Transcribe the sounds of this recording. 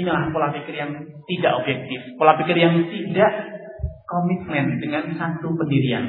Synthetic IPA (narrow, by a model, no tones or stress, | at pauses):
nalahpolapikɪrjaŋ | t̪idaʔobjɛk̚t̪ɪfpolapikɪrjaŋt̪idaʔ | komit̪̚mɛndəŋansat̪upəndiɾia̰n